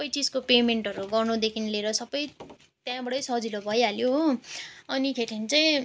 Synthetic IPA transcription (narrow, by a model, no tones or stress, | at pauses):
sʌpːʌjt͡sid͡zkopemeɳʈʌɾuɡʌrnud̪ekʰinleɾʌsʌbːʌj | t̪jãbʌɽʌjsʌd͡zilobʱʌjaljo | ʌnik̪ʰeʈʰint͡saĩ